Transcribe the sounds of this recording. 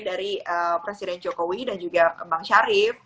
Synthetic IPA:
daɾiəpɾesidɛnd͡ʒokowidand͡ʒuɡabaŋʃaɾɪf

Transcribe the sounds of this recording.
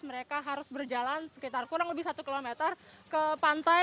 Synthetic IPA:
məɾekaɦaɾʊsbərd͡ʒalansə̥kit̪arkuɾaŋləbɪhsat̪ukilomet̪ərkəpant̪a

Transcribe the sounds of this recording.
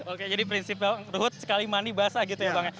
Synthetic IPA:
oked͡ʒadipɾinsipalruɦʊt̪̚sə̥kalimanibaɦasaɡit̪ujabaŋt̪

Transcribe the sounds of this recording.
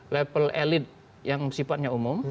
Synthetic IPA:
lepəlelɪt̪̚ | jaŋsifat̪̚ɲaumʊm

